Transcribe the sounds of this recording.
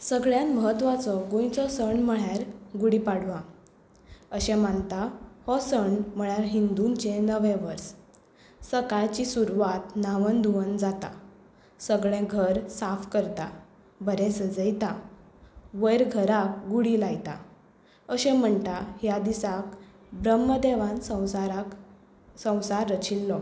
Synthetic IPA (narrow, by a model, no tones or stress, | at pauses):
səɡɭjãnməɦət̪ːʋat͡sɔɡũjt͡sɔsəɳm̤əɭjaɾɡuɽipaɽʋã | əɕɛ̃mant̪ahɔsəɳm̤əɭaɾɦind̪unt͡ɕenəʋẽʋəɾs | səkajt͡ɕisuɾʋat̪naʋənd̪ʱuʋənd͡zat̪a̰ | səɡɭẽɡʱəɾsafkəɾt̪a | bəɾẽsəd͡zəjt̪a | ʋəjɾɡʱəɾak̚ɡuɽilajt̪a̰ | əɕɛ̃m̤əɳt̪ahjad̪isak | bɾəmːəd̪eʋãnsəɾ | sə̃w̃saɾːət͡ɕʰilːɔ